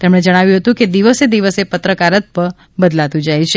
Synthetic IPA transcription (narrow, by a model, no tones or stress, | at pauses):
t̪emɽ̃ed͡ʒəɽ̃aʋjũɦət̪ũked̪iʋəsed̪iʋəsepət̪ɾəkaɾət̪̚pə | bəd̪lat̪ũd͡ʒajt͡ʃʰe